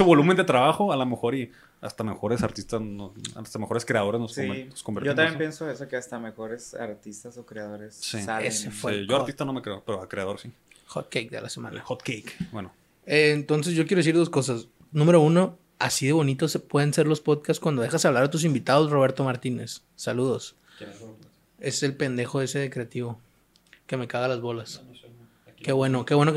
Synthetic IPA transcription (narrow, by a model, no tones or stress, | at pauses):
eseβolumend̪et̪ɾaβaxoalomexo̞ɾi | a̰st̪amexo̞ɾesaɾt̪ist̪asoa̰st̪amexo̞ɾeskɾe̞aðoɾesnlossoent̪oskombeɾtojnamjempjensoesokeast̪amexo̞ɾesa̰ɾt̪ist̪asokɾeaðoɾessisalesefweʝoaɾɾt̪ist̪anomekɾeopeɾoakɾeaðo̞ɾsi | xot̪̚kejk̚d̪ḛla̰sema̰nxot̪kejkbweno | eːnt̪o̞ns̬e̞sʝokjeɾoesiɾð̞o̞sko̞s̬as | nũme̞ɾo̞uno̞ | a̰siðe̞βo̞nit̪o̞spwe̞ðense̞ɾlo̞spo̞ðkast̪kwand̪oðexasaβlaɾat̪us̬imbit̪aðo̞sro̞βe̞ɾt̪o̞maɾt̪inesː | aluð̞o̞s | e̞selpe̞nd̪e̞xoðeseðekɾe̞at̪iβo̞ | ke̞me̞kaɣalazβo̞las | keβwe̞noke̞βwe̞no